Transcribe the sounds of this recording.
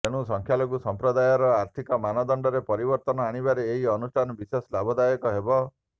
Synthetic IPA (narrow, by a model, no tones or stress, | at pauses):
eɽ̃usɔŋkʰjaloɡusɔmpɾɔd̪ajɔɾɔaɾt̪ʰikɔmanɔd̪ɔɳɖɔɾepɔɾibɔɾt̪ɔnɔaɽ̃ibaɾeːɦiɔnusʈʰanɔbiseslabɔd̪ajɔkɔɦebɔ